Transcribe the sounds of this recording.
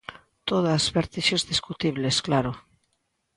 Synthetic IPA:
t̪oðazβeɾt̪iʃezðiskut̪iβlesklaɾo

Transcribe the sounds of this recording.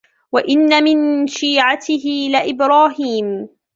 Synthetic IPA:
waʔɪnːamɪnʃiːʕat̪ɪɦɪlɪʔɪbɾaːɦiːm

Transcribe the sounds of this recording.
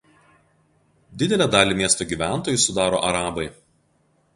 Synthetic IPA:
d̪ʲɪd̪ʲɛlʲæd̪ɑːlʲiːˑmʲiɛst̪oːɡʲiːˑʋʲæˑnˑt̪oːjʊsʊd̪ɑːɾo̰ːʔɐɾɑːbɐɪ

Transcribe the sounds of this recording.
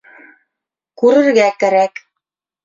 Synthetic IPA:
kʉɾɘ̆ɾɡækæɾæk

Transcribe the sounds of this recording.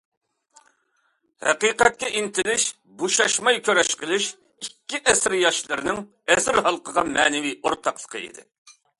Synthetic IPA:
hæ̰qiːqɛt̪̚kʲɛʔint̪ʰɪlɪʃ | boʃɑʃmɑjkʲʰøɾɛʃqəlˠɪʃ | ikʲːiʔɛsɪɾjɑʃlˠɨɾɪnɪŋ | ɛsɪɾhɑlˠqʰəʁɑmɛːnɪvioɾt̪ʰɑqlˠə̥qʰəḭd̪ɪ̰

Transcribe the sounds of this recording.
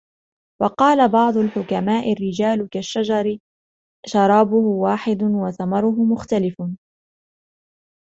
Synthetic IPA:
wɑqɑːlabɑʕd̪ˤʊlħʊkamaːʔɪrːɪd͡ʒaːlkaʃːad͡ʒɑɾɪ | ʃɑɾˤɑːbʊhʊwaːħɪd̪ʊwaθamɑɾˤʊɦʊmʊxt̪alɪf

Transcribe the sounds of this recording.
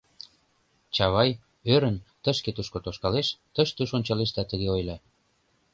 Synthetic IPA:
t͡ɕɑβɑj | øɾə̆nt̪əʃket̪uʃkot̪oʃkɑleʃt̪əʃt̪uʃonʲt͡ɕɑleʃt̪æt̪əɣeojlɑ

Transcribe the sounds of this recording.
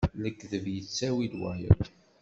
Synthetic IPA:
ləkːðəvjət͡sːæwilwæjə̰

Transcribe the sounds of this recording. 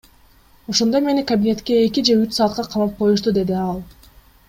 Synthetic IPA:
o̞ʃo̞nd̪o̞jme̞nikɐbʲinʲe̞t̪ke̞ːkʲid͡ʒe̞yt͡ʃsɑːt̪̚qɑqʰɑmɑp̚qʰo̞juʃ̬t̪ud̪e̞d̪iɑlˠ

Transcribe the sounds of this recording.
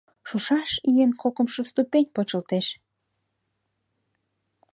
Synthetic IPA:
ʃuʃɑʃijenkokə̆mʃost̪upenʲpot͡ɕə̆lt̪eʃ

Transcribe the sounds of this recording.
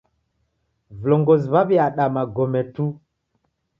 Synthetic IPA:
vloŋɡoziβaβiaɗamaɡomɛtu

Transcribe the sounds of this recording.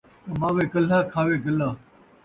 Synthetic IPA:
t̪ɐmãːʋeːkəl̤aːkʰaːʋeːɡəlaː

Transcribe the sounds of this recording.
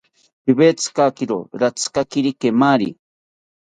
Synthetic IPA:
pibet͡skakiɾo̰ɾat͡skakiɾikemaɾḭ

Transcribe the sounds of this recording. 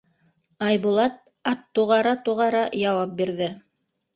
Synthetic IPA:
ɑjbulˠɑt̪̚ | ɑt̪ːuʁɑɾɑt̪uʁɑɾɑjɑwɑp̚biɾðɘ

